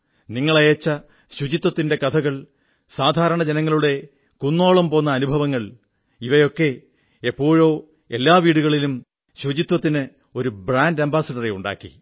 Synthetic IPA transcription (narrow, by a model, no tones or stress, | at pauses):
niŋːɐɭɐjɐt͡ɕːɐ | ɕud͡ʑit̪wɐt̪ːinde̞kɐt̪ʰɐɣɐɭ | saːd̪ʱaːɾɐɳɐd͡ʑenɐŋːɐɭuɽe̞ | kunːo̞ːɭɐmpo̞ːnːɐːnubʱɐʋɐŋːɐɭ | iʋɐjo̞kːe̞ | epːo̞ːɻo̞ː | e̞lːaːʋiːɽuɣɐɭilum | ɕud͡ʑit̪wɐt̪ːinɨ | o̞ɾubraːndɐmbaːsɐɽɐreuɳɖa̰ːkːḭ